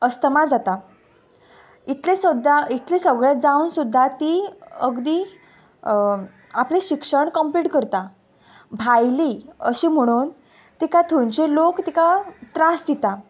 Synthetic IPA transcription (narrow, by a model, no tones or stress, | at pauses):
əst̪əmad͡zat̪a | it̪lesəd̪ʱait̪lesəɡɭjat̪̚d͡zaunsud̪ʱːat̪iəɡd̪iː | apleɕikʂəɳkəmpliʈkəɾt̪a | bʱajliəɕiːm̤əɽ̃uːn | t̪ikat̪ʰuɲt͡ɕelokt̪ikat̪ɾasd̪it̪a